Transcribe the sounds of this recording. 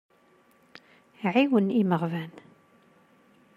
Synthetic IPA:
iʕiwəniməʁvæn

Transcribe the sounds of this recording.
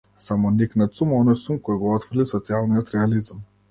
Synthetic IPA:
samɔniknat̪sumɔnɔjsumkɔjɡɔɔt̪frlisɔt̪sialˠnijɔt̪ɾɛalizam

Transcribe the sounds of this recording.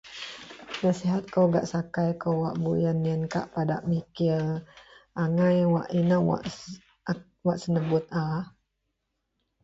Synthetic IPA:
nasiɦat̪̚kowɡa̰ʔsakajkowaʔbujanːənka̰ʔpadaʔmikilʔaŋajwaʔinəwa̰ʔ | waʔsənəbʊt̪̚a

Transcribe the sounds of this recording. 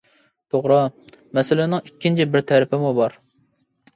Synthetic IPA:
t̪ʰoʁɾɑmɛsɪlɪnɪŋikʲːint͡ʃʰibɪɾt̪ʰɛɾɪpʰɪmubɑɾ

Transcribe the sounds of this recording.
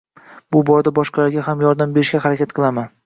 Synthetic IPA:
bʊbɒɾd̪abɒʃqɑlaɾɡʲaɦamjɒɾd̪ambe̞ɾɪʃɡʲahaɾakʲat̪̚qʰɨlˠaman

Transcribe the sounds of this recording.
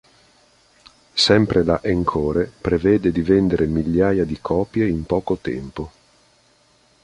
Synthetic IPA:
sɛmpɾelaʔeŋkʰoːɾepɾevɛːd̪ed̪ivend̪eɾemiʎːaːjad̪ikʰɔːpjeimpɔːkot̪ɛ̰mpo

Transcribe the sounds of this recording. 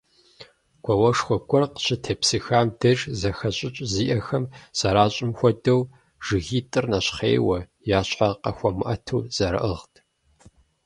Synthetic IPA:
ɡʷʰɔwɐʂxʷɔkʷʼɔrqɕɪtʰeːpsɨxaːmdɐʒzɐxɐɕʼɪt͡ʃʼziːʔɐxɐmsɐɾaːɕʼɪmxʷɔdɐw | ʒ̥ɨɣiːtʼɨrnɐɕχḛːwɐ | jaːɕħaqɐxʷɔmɨʔɐtʰṵːz̥ɐɾɐ̰ʔəʁtʰ

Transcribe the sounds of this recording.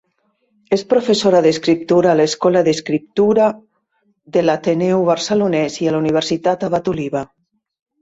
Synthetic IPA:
espɾofesoɾaðeskɾip̚t̪uɾaːleskɔlaðeskɾip̚t̪uɾa | ðelat̪enɛwβaɾselunɛzialuniβ̞eɾsit̪at̪aβat̪uliβa

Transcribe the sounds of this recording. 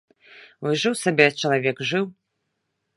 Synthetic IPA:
wɨʐɨwsabʲɛt͡ʃɐlˠavʲɛkʐɨw

